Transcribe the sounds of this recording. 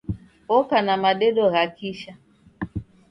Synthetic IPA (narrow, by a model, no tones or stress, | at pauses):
okanamadeɗɔɣakiʃa